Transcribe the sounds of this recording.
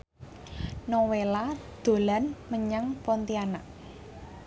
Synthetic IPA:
nowelad̪̥o̤lanməɲaŋpɔnt̪ianaʔ

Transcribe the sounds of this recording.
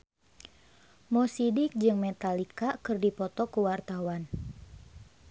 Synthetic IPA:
mɔsidɪk̚d͡ʒɨŋmɛt̪alikakɨrdipɔt̪ɔkuwart̪awan

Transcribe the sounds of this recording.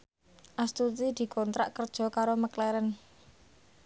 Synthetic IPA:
ʔast̪ut̪id̪̥i̤kɔnt̪ɾa̰ʔkərd̥ʒ̥ɔ̤kaɾoməklɛɾən

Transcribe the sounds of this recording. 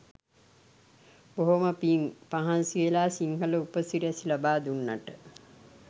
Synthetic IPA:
boɦoməpiŋpaɦansielaːsiŋhələupəsiɾɛsilabaːd̪unːaʈə

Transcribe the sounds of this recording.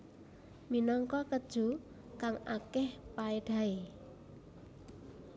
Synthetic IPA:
minɔŋkɔkəd̥ʒ̥ṳ | kaŋakɛhpaeɖ̪̥a̤e

